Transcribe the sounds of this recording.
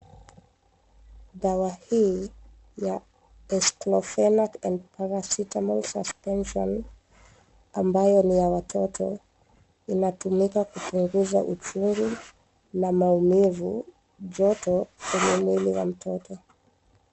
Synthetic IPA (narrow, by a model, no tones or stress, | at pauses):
ðawahiː | ja | ɛsklɔfɛnakɛndpʰaɾasitamɔlsaspɛnʃɔ̰n | ambajɔnijawatʰɔtʰɔ̰ | inatumikakupuŋɡuza̰ʔut͡ʃuŋɡu | namaumivu | d͡ʒɔtɔkwɛɲɛmwiliwa̰m̩tʰɔtɔ